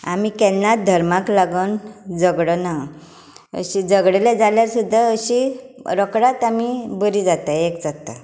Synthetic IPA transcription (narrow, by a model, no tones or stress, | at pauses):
a̰mikɛlnat̪̚d̪ʱəɾmaklaɡənd͡zəɡɽəna | ə̰ɕid͡zəɡɽelɛd͡zaljaɾsud̪ʱːaəɕiɾəkɽat̪amibəɾid͡zat̪aekd͡zat̪a̰